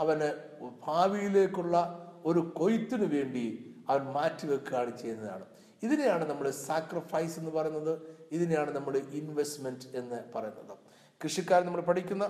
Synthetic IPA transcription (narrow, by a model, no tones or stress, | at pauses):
ɐʋɐn | bʱaːʋijile̞ːkʲːuɭːɐo̞ɾuko̞jit̪ːinɨʋe̞ːɳɖiɐʋɐnmaːtːiʋekːɨaːɳit͡ɕːe̞jnːɐða̰ːɳɨ | iðinejaːɳɨnɐmːɐɭsaːkrifɐjse̞nːɨpɐrɐjunːɐðɨiðinejaːɳɨnɐmːɐɭɨʔinʋestmende̞nːɨpɐrɐjunːɐðɨ | krɨʂɐkʲːaːɾnɐmːɐɭpɐʈʰikʲːunːɐ